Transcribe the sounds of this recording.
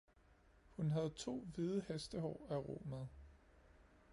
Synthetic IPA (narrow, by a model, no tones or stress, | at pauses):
hunɦæð̞̩ˠt͡sʰo̝̰ːʋiðˠəhesd̥əhɒ̰ːæʁo̝̰ːmæð̩ˠ